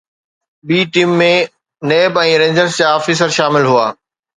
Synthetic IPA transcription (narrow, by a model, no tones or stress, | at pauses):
ɓiːʈiːmːẽ | neːbɛ̃ːɾẽːɲd͡ʑəɾst͡ɕaːaːfiːs̬əɾʃaːmɪlɦuaː